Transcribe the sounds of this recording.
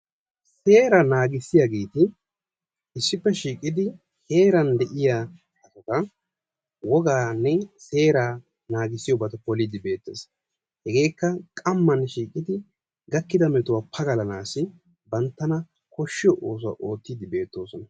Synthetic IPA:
se̞ːɾɐnaːɡɪsːɪjaɡeːt̪ɪ | ɪsːɪpːɛʃiːkʼɪd̪ɪ | he̞ːɾɐnd̪ɛʔɪjaː | ɐt̪ɐk̪ɐ | wɔɡaːnːɛse̞ːɾaː | naːɡɪsːɪjɔbɐt̪ɐpɔlid̪ɪbe̞ːt̪ːeːs | hɛɡe̞ːkːɐkʼɐmːɐnʃiːkʼɪd̪ɪ | ɡɐkːɪd̪ɐmɛt̪ʊwaːpʰɐɡɐlɐnaːsɪ | bɐnt̪ːɐnɐ | kɔʃːɪjɔʔo̞ːs̬ʊwa̰ʔo̞ːt̪ːid̪ɪbe̞ːt̪ːo̞ːsɔnɐ

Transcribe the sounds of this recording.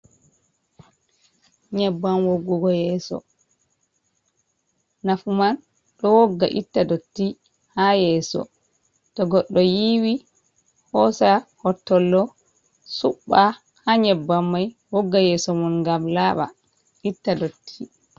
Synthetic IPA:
ɲɛbːamwoɡːuɡɔjɛːsɔ̰ | nafuman | ɗɔwoɡːa̰ʔḭtːadotːi | hajɛːsɔ̰ | tɔɡɔɗːɔjiwi | hɔsahɔtːɔlːɔ | suɓːa | haɲɛbːamːajwoɡːajɛsɔmunŋɡamlaɓa̰ | itːadotʰːi

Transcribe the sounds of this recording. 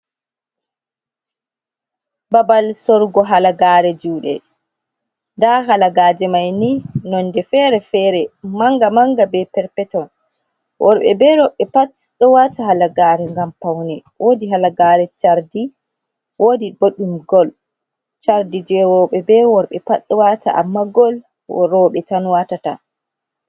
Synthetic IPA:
babalsɔɾɡɔɦalaɡaːɾɛd͡ʒuːɗɛ̰ | ndaɦalaɡaːd͡ʒɛmajninɔndɛfɛɾɛfɛːɾɛmaŋɡamaŋɡabɛpɛɾpɛtɔn | wʔɔɾɓɛ̰bɛɾɔɓɛpatɗɔwataɦalaɡaːɾɛŋɡampawnɛ | wʔodiɦalaɡaːɾɛt͡ʃaɾdi | wodiboɗumɡɔl | t͡ʃaɾdid͡ʒɛwɔɓɛbɛwɔɾɓɛpaɗːɔwatʰa̰ʔa̰mːaɡɔl | ɔɾɔɓɛtanwatata̰

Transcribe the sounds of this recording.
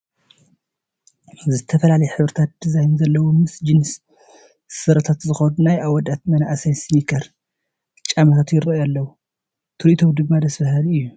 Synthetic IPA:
zɨt̪ʰɐfɐlalɐjɛħɨβɾɨt̪ʰat̪̚d̪̥izajnzɐlːɐwomɨsd͡ʒinɨs | sɨɾɐt̪ʰat̪zɨxɐnunajʔawɔd̪at̪mɐnaʔsajsnikʰɐɾ | t͡ʃʼamɐt̪ʰat̪jɪɾɐalːɐwu | t̪ʰɨɾʔit̪ʰomd̪ɨɡmːad̪ɐsfɐhlɨjːu

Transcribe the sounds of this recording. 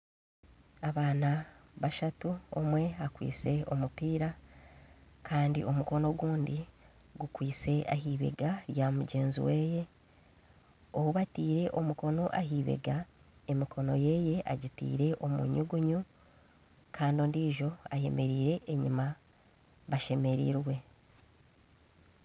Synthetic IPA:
aβaːnaβaʃatuo̰mwe̞akwḭːt͡se̞o̞̰mupiːɾa | kʰaːndḭʔo̞muko̞no̞ɡuːndi | ɡukwiːt͡se̞ʔaɦiːβe̞̰ɡajamuɟe̞ːnzḭweːje̞ | ohuβatiːɾe̞ʔomuko̞no̞ʔaɦiːβe̞̰ɡae̞mikʰo̞no̞je̞ːje̞ʔaɟitḭːɾe̞ʔo̞mṵɲuɡuɲu | kʰaːndoːndiːʒo̞aje̞̰me̞ɾiːɾe̞ʔeɲima | βaʃe̞me̞ɾḭɾwe̞

